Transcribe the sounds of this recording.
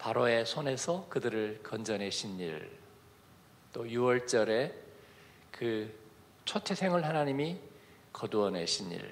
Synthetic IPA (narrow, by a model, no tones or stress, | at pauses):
paɾoe̞sʰone̞sʰʌkɯdɯɾɯɭkʌnd͡ʑʌnɦe̞ɕʰinḭɭ | t͈ojuwʌɭt͡ɕ͈ʌɾe̞ | kɯ | t͡ɕʰotʰesʰe̞ŋɯɭɦanaɲimi | kʌduʌnɦe̞ɕʰinḭɭ